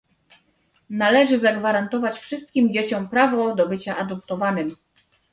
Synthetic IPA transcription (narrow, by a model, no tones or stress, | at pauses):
nalɛʐɘzaɡvaɾant̪ɔvat͡ɕfʂɘst̪̚kʲimd͡ʑet͡ɕɔmpɾavɔd̪ɔbɘt͡ɕaʔad̪ɔp̚t̪ɔvanɘm